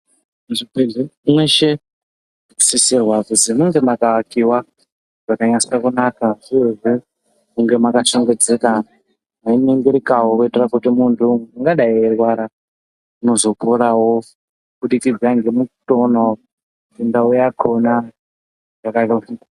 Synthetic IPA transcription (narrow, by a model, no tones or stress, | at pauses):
ʐipeɮemweʃe̥ | sisirwakusimuŋɡe̞makawakiwa | ʐ̥akaɲasiakunakaʐieʐi | muŋɡe̞makaʃoŋɡe̞d͡zeka | maimiŋɡiɾikaɦokuiterakutimuntʰuŋɡaɗaierwaɾa | uno̞zo̞koɾawo | ɓuɗikid͡zaŋɡe̞mutono | tindaujakʰona | ʐakalo